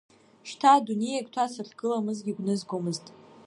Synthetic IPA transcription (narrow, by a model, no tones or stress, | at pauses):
ʃtʰadunejakʼtʰasɨrɡ̥ɨlamɨzɡʲiɡʷnɨzɡʷomɨztʼ